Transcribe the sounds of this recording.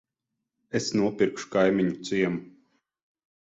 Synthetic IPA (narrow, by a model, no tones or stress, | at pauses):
esnuɔpʲiɾkʃu̥kajmʲiɲut̪siɛmu